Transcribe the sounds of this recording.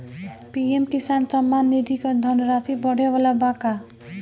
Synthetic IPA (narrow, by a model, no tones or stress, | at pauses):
piemkɪsaːnsəmːanːid̪ʱikad̪ʱənəɾat̪ibɔɽ̤eʋalabaka